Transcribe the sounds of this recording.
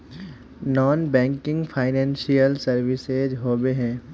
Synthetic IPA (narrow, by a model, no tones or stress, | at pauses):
nɔːnbɛ̃ːŋkɪ̃ŋɡpʰaːɪnɛ̃ːnsijəlsəɾʋɪsezɦoːbeɦɛ̃ː